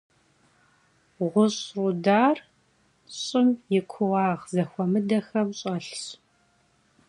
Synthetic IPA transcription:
ʁʷʊɕrudaːr | ɕʼɪmjɪkʷʰʊwɑːʁzɐxʷɔmɨdɐxɐmɕʼɐɬɕ

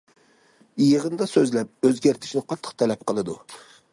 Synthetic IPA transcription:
jəʁənd̪ɑsøzlɛp̚øzɡʲæɾt̪ʰɪ̥ʃnɪqʰɑt̪ʰːə̥qt̪ʰɛlɛp̚qʰəlˠɨd̪u

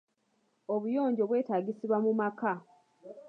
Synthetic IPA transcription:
o̞βujo̞ːɲɟo̞βwe̞ːtaːɡisiβwamumaka

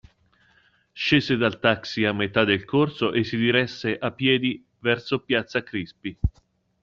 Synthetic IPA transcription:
ʃeːzed̪alt̪aksiamːet̪ad̪elkʰorsoʔesːid̪iɾɛsːeʔapːjɛːd̪i | vɛrsopjat̪sakɾispi

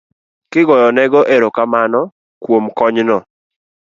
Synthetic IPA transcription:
kɪɡɔjɔnɛɡɔʔeɾokamanɔ | kwomkɔɲnɔ

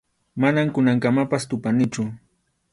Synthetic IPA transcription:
manamkʊnaŋkamapast̪ʊpanɪt͡ʃʊ

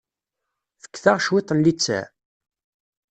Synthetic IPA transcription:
θə̥kːθaʁʃwɪt̪ˤənlit͡sːæ̰

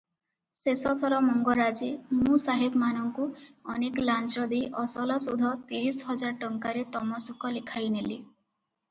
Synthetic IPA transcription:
sesɔt̪ʰɔɾɔmɔŋɡɔɾad͡ʒemũsaɦibmanɔŋkuɔnekɔlant͡ʃɔd̪iʔɔsɔlɔsud̪ʱɔt̪iɾisɔɦɔd͡ʒaɾʈɔŋkaɾet̪ɔmɔsukɔlikʰajneli

